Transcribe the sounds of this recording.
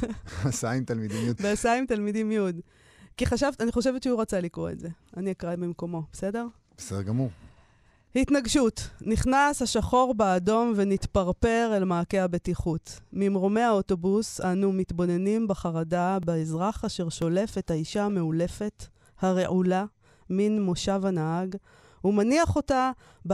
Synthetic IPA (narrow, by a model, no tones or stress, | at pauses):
asaimt̪almid̪imjudbeasaimt̪almidimjjud | kiχaʃavaniχo̞ʃe̞vetʃeuʁat͡salikʁoḛtze̞ | aniakʁamimko̞mo̞bese̞de̞ʁ | b̥esedeʁɡamuʁ | hitnaɡʃutniχnashaʃaχo̞ʁbeːdo̞mve̞nitpaʁpe̞ʁelmaːke̞habetiχutmimʁo̞me̞aoto̞busanumitbo̞ne̞nimbeχaʁadabeezʁaχaʃe̞ʁʃo̞le̞fe̞thaiʃame̞ule̞fe̞t | haʁe̞ʔula | minmo̞ʃavanaaɡ | umaniaχo̞ta | b